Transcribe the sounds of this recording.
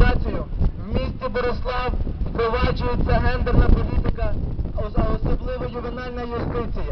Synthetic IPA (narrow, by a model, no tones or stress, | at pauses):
ɑt͡sʲijʊwmʲisʲt͡sʲibɔɾʊslˠɑwwpɾɔʋɑd͡ʒʊjet͡sʲːɐɦɛnd̪ernɐpɔlʲit̪ɪkɐɔɔsɔblˠɪʋɐjʊʋɪnɑlʲnɐjʊst̪ɪt͡sʲijɐ